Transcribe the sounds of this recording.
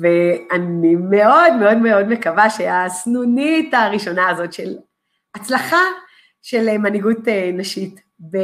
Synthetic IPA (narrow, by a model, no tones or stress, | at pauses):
veanime̞o̞dmeo̞dmeo̞dmekavaʃeasnunitaʁiʃo̞naːzo̞tʃe̞l | at͡slaχa | ʃelmaniɡutenaʃit | be